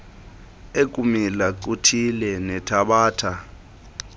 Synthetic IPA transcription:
ek̬ʼumilaǀutʰilɛnɛtʰaɓaːtʰa

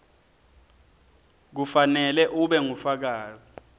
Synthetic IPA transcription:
k̬ufanɛlɛʔuɓɛŋufak̬aːzi

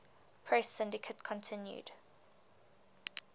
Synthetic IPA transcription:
pʰɹ̥ɛsːɪ̃ndɪkʰətkʰɔ̃ntʰɪ̃njṵd̥

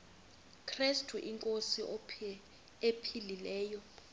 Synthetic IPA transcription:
kʰristʰʼuʔiŋkʼosiʔɔpʰ | epʰililɛːjɔ

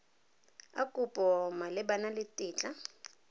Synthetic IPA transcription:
a̰kʼub̥ʱʼɔmalɪɓanalɪtʼiːt͡ɬʼa

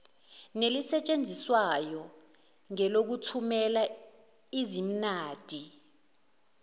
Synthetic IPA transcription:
nelisɛt͡ʃʼend͡zʱiswajɔ | ŋɛlok̬utʰumɛla | izim̩naːd̥ʱi

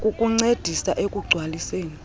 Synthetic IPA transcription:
kʼukʼuŋ͡ǀed̥ʱisaʔekʼuɡ͡ǀʱwaliseːni

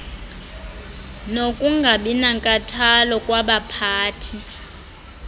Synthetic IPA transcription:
nokʼuŋɡʱaɓinaŋkʼatʰalɔkʼwaɓapʰaːtʰi

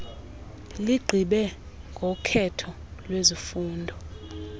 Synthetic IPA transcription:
liɡ͡ǃʱiɓɛ | ŋɡʱɔkʰɛtʰɔ | lwezifuːndʱɔ

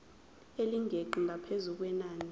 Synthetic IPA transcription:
eliŋʱeǃiŋʱapʰezuk̬wɛnaːni

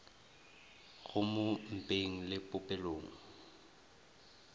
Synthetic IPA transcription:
ɣʊmom̩pʼeŋ̩lɪpʼʊpʼɛloːŋ̩

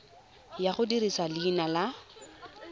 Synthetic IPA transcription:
jaχʊdirisalɪːnala

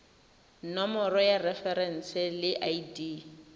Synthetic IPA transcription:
nɔmɔɾɔjarɛfɛɾɛn̩sɛlɪʔaidiː

